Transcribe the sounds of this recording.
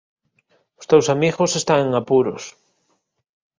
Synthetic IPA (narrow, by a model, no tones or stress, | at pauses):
o̥st̪ewsamiɣosest̪aŋeŋapuɾo̰s